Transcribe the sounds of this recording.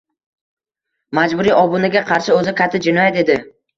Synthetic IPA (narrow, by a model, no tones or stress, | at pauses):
mad͡ʒbʊɾiʔɒbʊnɪɡʲaqʰɑɾʃɪɵzɪkʲʰat̪ʰːɪd͡ʒɪnɒjat̪e̞d̪ɪ